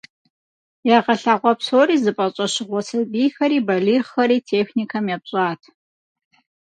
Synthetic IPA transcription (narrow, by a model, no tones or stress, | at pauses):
jaʁɐɬaːʁʷɔpsoːɾiːzɨpʼɐɕʼɐɕɪʁʷɔsɐbiːxɐɾiːbɐliːʁɐɾiːtʰeːxnikʰɐmjapɕʼaːtʰ